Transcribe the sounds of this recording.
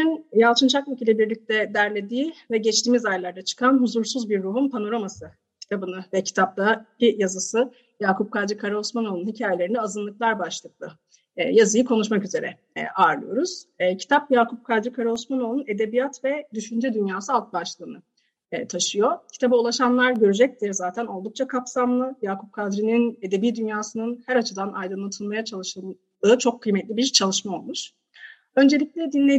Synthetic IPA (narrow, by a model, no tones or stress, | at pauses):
injalˠt͡ʃʰɯnt͡ʃʰakvacʰilʲːɛbiɾlʲic̚t̪ʰɛd̪æɾlʲe̞d̪iːvɛɟɛt͡ʃt̪iːmizajlˠaɾd̪at͡ʃʰɯ̥kʰanɦuzuɾsuzbiɾːuɦunpʰano̞ɾo̞masɯ | cʰi̥t̪ʰabɯnɯvɛcʰi̥t̪ʰap̚t̪abijazɯsɯ | jaːkʰup̚kʰaɾd͡ʒikʰaɾaosmano̞lˠunhicʰaːjelʲeɾinɛazɯnlˠɯklˠaɾbaʃlˠɯklˠɯː | jazɯjɯkʰo̞nuʃmakyze̞ɾɛ̰ | ʔaɾlˠɯ̰jo̞̰ɾuz̥cʰi̥t̪ʰapjaːkʰup̚kʰad̪ɾikʰaɾolˠsmano̞lˠune̞d̪e̞bijat̪vɛd̪yʃynd͡ʒɛd̪ynjaːsɯalˠt̪̚baʃlˠɯːnɯː | t̪ʰaʃɯjo̞cʰi̥t̪ʰabaulˠaʃanlˠaɾɟø̞ɾyd͡ʒɛc̚d̪iɛzaːt̪ʰæno̞lˠd̪uk̚t͡ʃʰakʰapsamlˠɯjaːkʰup̚kʰad̪ɾinine̞d̪ebiːd̪ynjaːsɯnɯnhæɾat͡ʃʰɯd̪anajd̪ɯnˠat̪ʰɯnmajat͡ʃʰalˠɯʃɯ | ɯːt͡ʃʰo̞kʰːɯjmɛt̪lʲibiɾt͡ʃʰalˠɯʃmao̞lˠmuʃ | ø̞nd͡ʒe̞lʲic̚ʲlʲɛd̪inːʲe